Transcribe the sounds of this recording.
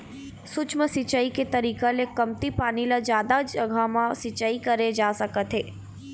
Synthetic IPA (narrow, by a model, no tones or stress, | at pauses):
sʊt͡ʃməsɪt͡ʃaːiket̪ɐɾiːkaleːkːɐmt̪ipaːnilad͡ʒjaːd̪ad͡ʒɐɡʱaːmãsɪt͡ʃaːikɐɾed͡ʒaːsɐkət̪ɦeː